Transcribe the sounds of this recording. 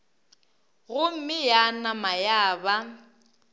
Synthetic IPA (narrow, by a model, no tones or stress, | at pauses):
ɣʊm̩mɪjanamajaːba